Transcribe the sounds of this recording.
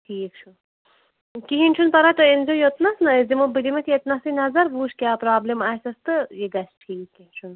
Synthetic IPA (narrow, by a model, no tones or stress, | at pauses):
ʈʰiːkt͡ʃʰu | kiɦinʲt͡ʃʰunpɐɾat̪ɨinzojot̪nɐsnɐzimɨbilimɐk̪iɐt̪nasinɐzɐɾbuːt͡ʃkʲjaːpɾaːblʲemaːjsɐst̪ɨjeɡɐsʈʰiːkːit͡ʃʰun